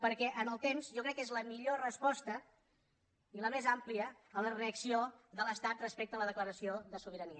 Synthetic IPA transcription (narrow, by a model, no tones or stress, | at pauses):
pəɾkɛʔənəlˠt̪emzʒɔkɾɛkːezləmiʎorəspɔst̪ə | iləmezampliəː | ləreəksioðələst̪at̪̚rəspɛk̚t̪ələðəkləɾəsioðəsuβ̞iɾəniə